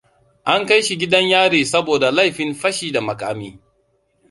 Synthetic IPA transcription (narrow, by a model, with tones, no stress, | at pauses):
ʔa˦ŋka˦jʃi˨ɡʲɪ˦dɐ˦ɲjaː˦ɽiː˨sɐ˦boː˨da˨la˦jɸɪ˨nɸɐ˦ʃiː˨da˨mɐ˨ka̰ː˦miː˦